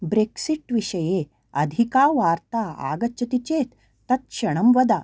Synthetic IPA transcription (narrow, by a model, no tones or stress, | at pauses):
bɾeːksiʈʋiʂɐjeː | ɐd̪ʱikaːʋaːɾt̪aːa̰ːɡɐt͡ʃɐt̪it͡ʃeːt̪ː | ɐt̪̚ʃɐɳɐmʋɐd̪a